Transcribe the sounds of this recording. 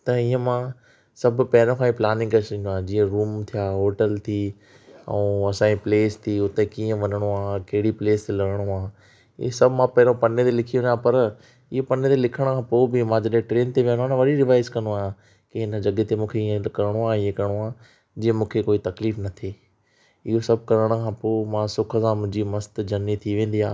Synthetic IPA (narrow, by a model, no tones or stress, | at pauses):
t̪ɐɪ̃ːə̃mã | sɐb̆ʱpɐɦɪɾõkʰãĩplaːnɪ̃ŋɡkɐsĩnd̪uaːɦd͡ʑiːə̃ɾuːmt̪ʰijaːɦoːʈəlt̪ʰiː | ɛ̰̃ːɐsãːipleːst̪ʰiːʊt̪ekiːə̃ʋɐnəɽ̃oaːkɐɦɪɽipleːst̪elɐɽəɽ̃oa̰ː | sɐbʱmãpɐɦɪɾõpɐnet̪elɪkʰijõnaːpɐɾ | ɪɦopɐnet̪elɪkʰəɽ̃kʰãːpoːbɪmãːd͡ʑɐɗẽʈɾeːnt̪eʋijə̃ñaːnʋɐɗiɾɪʋaːɪskɐ̃noaːjã | kiɦɪnə̆d͡ʑɐɡet̪emũːkʰeiẽkɐɾəɽ̃oaːiẽkɐɾɽ̃oaː | d͡ʑĩːə̃mũːkʰekoːit̪ɐkliːfnɐt̪ʰeː | ɪɦosɐb̚ʱkɐɾəɽ̃kʰãːpoːmãːsʊkʰəsãːmʊ̃ɦɪ̃d͡ʑimɐst̪d͡ʑɐnːit̪ʰiʋẽːn̆d̪iaː